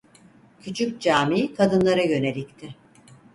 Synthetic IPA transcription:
cʰyt͡ʃʰyc̚ʲd͡ʒaːmikʰad̪ɯnlˠaɾajø̞ne̞lʲic̚t̪ʰɪ

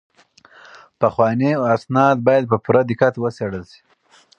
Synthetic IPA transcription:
paxwɑniasnɑd̪̚bɑjad̪̚pəpuɾad̪ɪkat̪wəseɽəlsi̥

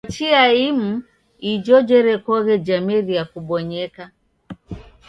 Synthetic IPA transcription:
t͡ʃiaim̩ | id͡ʒɔd͡ʒɛɾɛkɔɣɛd͡ʒamɛɾiakuɓɔɲɛka

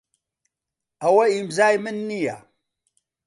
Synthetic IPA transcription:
awaimzajmənːija̰

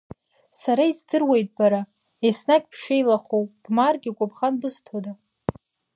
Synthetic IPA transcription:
saɾaizdɨrwejtʼbaɾa | esnaɡʲpʰʂejlaχowb̥marɡʲikʷʼʊbχanbɨztʰoda

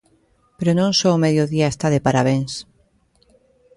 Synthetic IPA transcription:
peɾonõŋsɔomeðjoðiaest̪aðepaɾaβeŋs

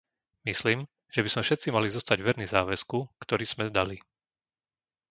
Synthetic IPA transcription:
misliːm | ʒ̥ɛbizmɛfʃɛt̪t͡simalizɔst̪aɟʋɛɾnizaːʋɛskukt̪ɔɾiːz̥mɛd̪ali

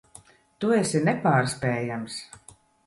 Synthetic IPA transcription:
t̪uɛsʲinɛpaːɾspɛːjams

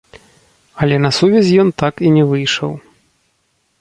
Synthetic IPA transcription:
ɐlʲɛnɐsuvʲɛzʲjɔnt̪akinʲɛvɨjʂɐ̰w

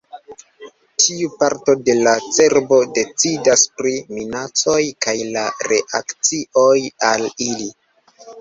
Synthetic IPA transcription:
tʰiupaɾto̞de̞lat͡se̞ɾbo̞de̞t͡sidaspɾiminat͡so̞jkajlaɾe̞ʔa̰kt͡siʔo̞jalili

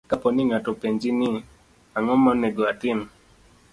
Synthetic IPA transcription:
kapɔniŋatopend͡ʒini | aŋɔmɔnɛɡɔatin

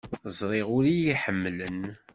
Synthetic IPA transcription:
zˤɾˤeʁʊɾijiħəmːlən

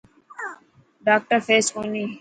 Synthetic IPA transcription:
ɖaːk̚ʈəɾfeːsuːniː

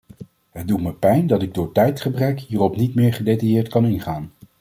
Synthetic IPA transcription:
ɦəd̚dutməpɛjndɑtɪɡ̚dʊːɹtɛjtχəbrɛkɦiːrɔpnitmɪːɹχədejtɑjɪːɹtkɑnɪnχaːn

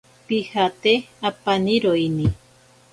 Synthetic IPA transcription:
pihat̪eapaniɾoini

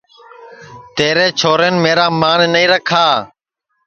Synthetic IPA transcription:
t̪eːɾeːt͡ʃʰoːɾenmeːɾaːmaːnːəĩːɾəkʰaː

